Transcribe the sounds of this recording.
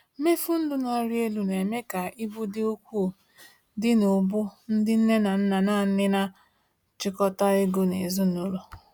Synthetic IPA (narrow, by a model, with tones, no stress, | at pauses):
me˦fu˦n̩˦dʊ˦na˦ɾɪ˦e˦lu˦ne˨me˦ka˨i˦bu˦dɪ˦o˦kʷu˦˨ | dɪ˦nʊ˨bʊ˦n̩˦dɪ˦n̩˦ne˦na˨n̩˦na˨na˦˨n̩˦nɪ˦na˦ | t͡ʃɪ˦kɔ˦ta˦e˦ɡo˦nḛ˨zu˦no˦lo˨